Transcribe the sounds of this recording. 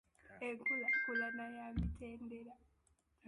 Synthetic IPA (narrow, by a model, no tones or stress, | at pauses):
eŋkulakulanajamitʰeːndela